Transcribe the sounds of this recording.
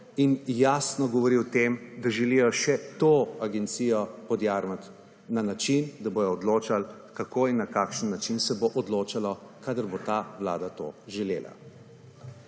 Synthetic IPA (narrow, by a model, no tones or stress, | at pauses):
injasnɔɡɔʋɔɾiwt̪emd̪aʒɛlijɔʃɛt̪oaɡɛnt̪siːjɔpɔd̪jaːɾmat̪ | nanat͡ʃind̪aboːjɔːd̪loːt͡ʃal | kakoːinːakaːkʃənːat͡ʃinsɛboʔɔd̪loːt͡ʃalɔkaːd̪əɾbot̪aːwla̰ːd̪at̪o̰ːʒɛlḛːlʔa̰